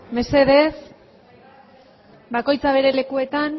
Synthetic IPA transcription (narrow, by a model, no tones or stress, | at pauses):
me̞se̞ðe̞s | bako̞jt͡saβ̞e̞ɾe̞le̞kue̞t̪an